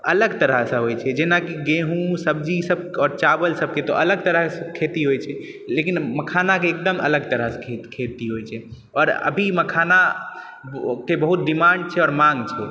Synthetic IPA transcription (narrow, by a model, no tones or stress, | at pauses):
ələɡt̪əɾəɦsə̃ɦojt͡ʃʰɛd͡ʒenakiɡẽɦũsəbd͡ʒisəb̚kɔːɾt͡ʃabəlsəb̚ket̪ɔ̰ʔələɡt̪əɾəɦskʰet̪iɦojt͡ʃʰɛ | lekinməkʰanakeːk̚d̪əmə̰ləɡt̪əɾəɦskʰekʰet̪iɦojt͡ʃʰɛ | ɔːɾə̰bʱiməkʰana | kebəɦut̪̚ɖimaɳɖ̚t͡ʃʰɛɔːɾmãŋɡt͡ʃʰɛ